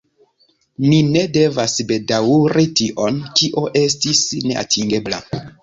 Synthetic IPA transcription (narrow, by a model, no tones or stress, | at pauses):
nine̞de̞vasbe̞dawuɾitiʔo̞nkiʔo̞ʔe̞s̬tisne̞ʔa̰tʰiŋɡe̞bla̰